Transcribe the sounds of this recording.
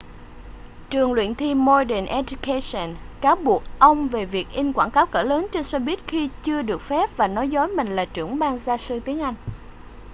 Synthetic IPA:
t͡ɕɨ˨˩əŋlwḭ˧˨ənt̪ʰi˧mːo˧ɗɛ˨˩nʔɛ˧zu˧ka˧sə˨˩nkaː˨˦wɓu˨˩ək̚ʔə˧wŋ͡mve˨˩vi˨˩ək̚ʔi˧ŋ̟kwaː˧˩ŋkaː˨˦wkə̰ː˧˩ləː˨˦nt͡ɕe˧nswaː˧ɓi˦˥ət̚xi˧t͡ɕɨ˧əɗɨ˨˩ək̚fɛ˦˥p̚vaː˨˩nɔ˨˦jzɔ˨˦jmï˨˩ŋ̟laː˨˩t͡ɕɨ̰˧˩əŋɓaː˧ŋzaː˧sɨ˧t̪i˨˦əŋʔa˧jŋ̟

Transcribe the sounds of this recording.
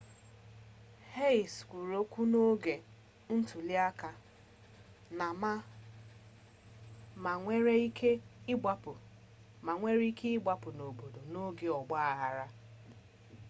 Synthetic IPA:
he˦i˨skʷu˨ɾo˦kʷu˦no˦ɡe˨ | n̩˦tu˨li˦a˦ka˨ | na˨ma˦ | ma˨ŋʷe˦ɾe˦i˦kʰe˦ɪ˦ɡ͡ba˦pʊ˨ | ma˨ŋʷe˦ɾi˦ke˦ɪ˦ɡ͡ba˦pʊ˨no˨bo˨do˨no˦ɡe˨ɔ˨ɡ͡ba˦a˨ɦa˨ɾa˦

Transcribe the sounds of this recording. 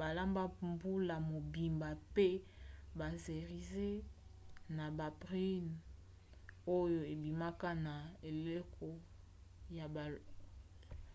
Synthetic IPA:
ba˨la˦mba˦mbu˦la˨mo˨bi˨mba˨pe˦ba˨ze˨ʁi˨ze˦ | na˨ba˨pʁi˦n | o˦jo˨e˨bi˨ma˦ka˦na˨e˨le˦kʰo˦ | ja˨ba˨

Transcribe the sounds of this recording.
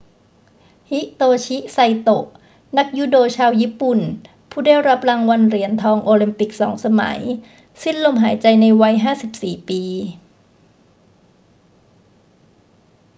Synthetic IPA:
hi˦˥ʔt̪oː˧t͡ɕʰi˦˥ʔsa˧jt̪o˨˩ʔ | na˦˥k̚ju˦˥˩doː˧t͡ɕʰaː˧wjiː˦˥˩pu˨˩n | pʰuː˥˩daː˥˩jɾa˦˥p̚ɾaː˧ŋwa˧nɾi˨˩˦ənt̪ʰɔː˧ŋʔoː˧li˧mpi˨˩k̚sɔ̰ː˩˦ŋsa˧ma̰˩˦j | si˥˩nlo˧mɦaː˩˦jt͡ɕa˧jna˧jwa˧jɦaː˥˩si˨˩p̚siː˨˩piː˧

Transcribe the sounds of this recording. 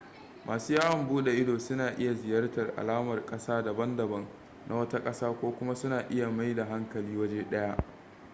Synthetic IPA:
mʔaː˨suː˦jaː˦wɐ˨mbuː˦ɗe˨ʔɪ˦doː˨sʊ˦naː˨ʔɪ˦ja˨zɪ˨jɐ˦rtɐ˨rʔa̰˨laː˦mɐ˨rkʼɐ˦saː˦dɐ˨bɐ˦ndɐ˨bɐ˦ŋ | na˦wɐ˦ta˦kʼɐ˦saː˦kʷoː˦kʷʊ˦ma˦sʊ˦naː˨ʔɪ˦ja˨ma˦jda˨ɦa˦ŋkɐ˨liː˦wɐ˦d͡ʒeː˦ɗɐ˦ja˦ʔ

